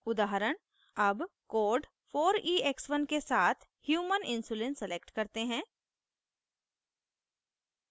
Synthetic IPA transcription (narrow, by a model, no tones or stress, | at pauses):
ʊd̪aːɦɾəɽ̃ | ɐbkoːɾɖ | foːɾiːeksʋənkesaːt̪ʰhjuːmənɪ̃nsuːlẽnsəlekʈkɐɾt̪eɦɛ̃ː